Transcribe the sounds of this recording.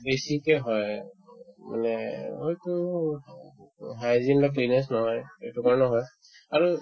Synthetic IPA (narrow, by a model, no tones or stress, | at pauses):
besikɛɦɔj | ma̰nɛojtu | ɦajzinlaklinɛs̬nɔɦɔjejtukaɹnɔɦɔj | aɹu